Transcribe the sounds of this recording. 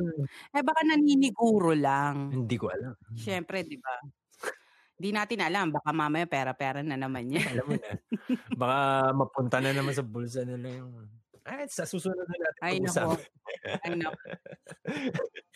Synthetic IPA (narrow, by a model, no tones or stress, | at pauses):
ʔɛbaːkanɐninɪɡuːɾolaŋhɪnd̪ikoʔɐlamʃɛmpɾɛd̪ɪba | hɪnd̪inaːt̪ɪnʔɐlambaːkamaːmɐjapɛːɾɐpɛːɾɐnɐnɐmanɲaɐlamːʊnɐbakamɐpʊnt̪ɐnɐnɐmans̬ɐbʊls̬ɐnɪlɐjʊŋʔajsɐsuːsunod̪ɐnaːt̪ɪajnɐko | ɐnɐ